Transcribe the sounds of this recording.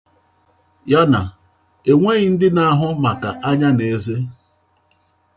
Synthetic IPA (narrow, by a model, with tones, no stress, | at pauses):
ja˦na˨ | e˨ŋʷe˦ɣi˨n̩˦dɪ˦na˦a˦ɦʊ˦ma˨ka˨ʔa˦ɲa˦ne˨˦ze˦